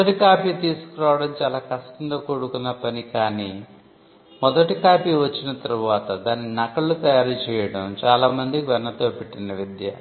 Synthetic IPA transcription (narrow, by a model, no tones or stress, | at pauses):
mɐʈikaːpiːt̪iːsu̥kuɾaːʋɐɽɐmt͡ʃaːlaːkɐʂʈɐnt̪oːkoːɽukunːɐpɐnikaːniː | mɔd̪ɐʈikaːpiːʋɐt͡ʃːinɐt̪ɐɾuʋaːt̪ɐd̪aːnːinɐkɐɭut̪ɐjaːɾit͡ʃɛːjɐɽɐmt͡ʃaːlaːmɐnd̪ikiʋɐnːɐt̪oːpeʈːinɐʋid̪jɐ̰